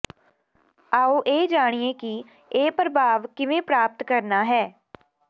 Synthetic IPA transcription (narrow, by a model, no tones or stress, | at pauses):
aːoːʔeːd͡ʒaːɽ̃ieːki | eːpɾəbʱaːʋkɪʋẽːpɾaːp̚t̪kəɾnaːɦɛː